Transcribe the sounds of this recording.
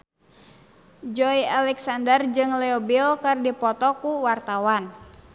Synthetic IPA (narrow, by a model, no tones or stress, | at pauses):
d͡ʒɔjalɛksandərd͡ʒɨŋlɛɔbilkɨrdipɔt̪ɔkuwart̪awan